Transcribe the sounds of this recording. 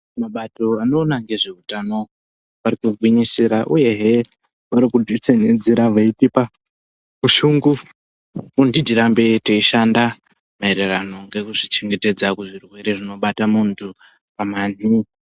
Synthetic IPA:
maɓato̞ano̞ːnaŋɡe̞ʐe̞utano̞ | ʋarikuɡʱwiɲisiɾaʔuje̞ɦe̞ | ʋaɾikudʱit͡senend͡ziɾaʋaipipa | kuʃuŋɡu | kundidʱiɾambetoiʃanda | maeɾerano̞ŋɡe̞kuʐit͡ʃe̞ŋɡe̞te̞d͡zakuʐirwe̞ɾe̞ʐino̞ɓatamuntʰu | pamani

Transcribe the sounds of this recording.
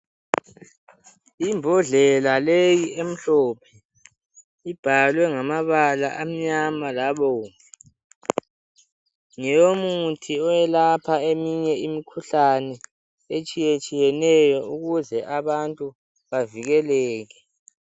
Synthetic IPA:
imbʱɔɮɛlalejiem̩ɬɔːpʰɛ | ib̥ʱalwɛŋamaβala̰ʔam̩ɲamalaβɔːŋɛ | ŋɛjomutʰiɔjɛlapʰaemiɲɛimikʰuɬanɛ | et͡ʃʼijet͡ʃʼijɛnɛjɔuɣuzɛʔaβantʼu | βaviɣɛlɛːɣɛ

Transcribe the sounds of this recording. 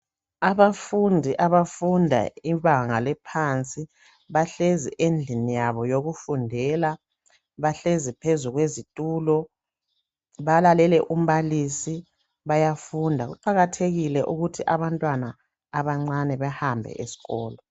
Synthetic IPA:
aβafundʱiʔaβafundʱa̰iβaŋalɛpʰant͡sʼi | βaɬeziʔend͡ɮʱinijaβɔjoɣufundʱɛla | βaɬezipʰezuɣwezitʼuːlɔ | βalalɛlɛʔum̩βalisi | βajafundʱaɣṵǃaɣatʰeɣilɛʔuɣutʰiʔaβantʼwanaː | βaŋ͡ǀanɛβahambʱɛ̰ʔesi̥ɣɔːlɔ

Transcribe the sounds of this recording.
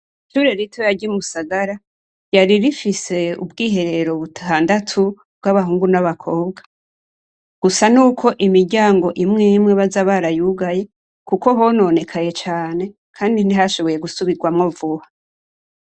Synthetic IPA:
iʃuːɾeɾitʰojaɟumusaɡaɾa | jaɾiɾifise̞ṵbɡiːɦe̞ɾe̞ɾo̞βutʰaːndatʰu | bɡaβaɦuːŋɡunaβakʰo̞ːbɡa | ɡ̥usanuːkʰo̞ʔimiɾɟaːŋɡo̞ʔimŋimŋe̞βazaβaɾajuɡaje̞ | kuko̞ɦo̞no̞ne̞kʰaje̞t͡ʃaːne̞ | kʰaːndiniɦaʃo̞βo̞je̞ɡusuβiɡwamŋovuhḁ

